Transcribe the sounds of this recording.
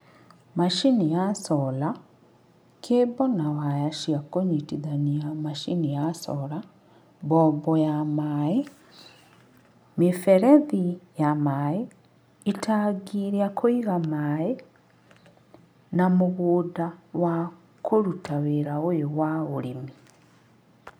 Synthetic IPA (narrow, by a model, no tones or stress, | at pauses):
maʃinijasɔla | kʰebɔnawajaʃiakoɲitiðaniamaʃinijasɔ̰la | bɔbɔjamae | mifeɾeðijamae | itaɡiɾiakʰoiɣamae | namoɣoːdawa | kʰoɾutʰaweɾaojowaoɾimi